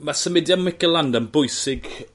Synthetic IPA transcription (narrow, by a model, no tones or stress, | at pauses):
masəmɪdjamwɪkɛlˠandənbʊɨsɪɡ